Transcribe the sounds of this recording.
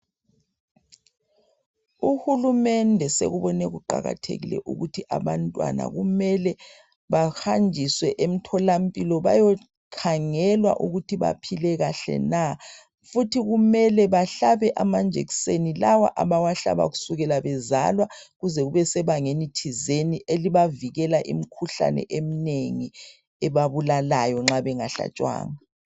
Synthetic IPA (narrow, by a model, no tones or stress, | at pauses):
uxulumɛndʱɛsḛɣuβɔnɛɣuǃa̰ɣa̰tʰḛɣḭlɛ̰ʔṵɣutʰiʔaβantʼwa̰na̰ɣumɛlɛ | βaxand͡ʒʱiswɛʔem̩tʰɔlampʼilɔβajɔ | kʰaŋɛlwa̰ʔuɣutʰiβa̰pʰilɛɣaɬɛ̰na | futʰiɣumɛlɛβaɬaβɛʔamand͡ʒʱḛksenilawa̰ʔaβawaɬa̰βa̰ɣu̥suɣɛlaβɛza̰lwaɣuzɛɣuβɛsɛβaŋenitʰizeniʔeliβaviɣɛlaʔḭm̩kʰuɬa̰nɛ̰ʔem̩neŋi | ɛβaβulalajɔŋ͡ǁaβɛŋaɬa̰t͡ʃʼwa̰ːŋa